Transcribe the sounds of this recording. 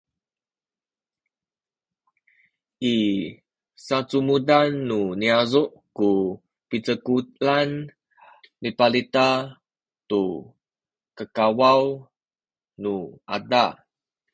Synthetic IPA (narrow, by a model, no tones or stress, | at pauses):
ʔi | sat͡sumudanːuniazuʔ | ku | pit͡səkulan | mipalit̪a | t̪u | kəkawaw | nua̰da